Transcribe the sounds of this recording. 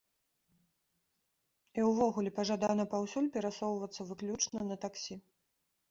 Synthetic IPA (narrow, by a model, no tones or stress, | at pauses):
iwvɔɣulʲɛpɐʐad̪anɐpawsʲulʲpʲɛɾasɔwvɐt̪sːɐvɨklʲut͡ʂnɐnɐt̪aksʲi